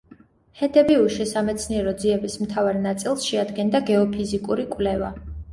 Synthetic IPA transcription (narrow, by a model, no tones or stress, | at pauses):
hɛd̪ɛbiuʃisamɛt̪sʰniɛɾɔd̪ziɛbismt̪ʰavaɾnat̪sʼilˠsʃɛad̪ɡɛnd̪aɡɛɔpʰizikʼuɾikʼwlɛva̰